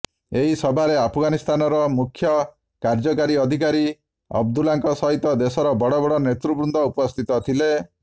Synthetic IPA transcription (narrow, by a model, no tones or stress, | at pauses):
eɦisɔbʱaɾeapʰɔɡanist̪ʰanɔɾɔmukʰːjɔ | kaɾd͡ʒɔkaɾiɔd̪ʱik̬aɾi | ɔ̰bd̪ulaŋkɔsɔɦit̪ɔd̪esɔɾɔbɔɽɔbɔɽɔnet̪ɾubɾund̪ʱɔupɔst̪ʰit̪ɔt̪ʰile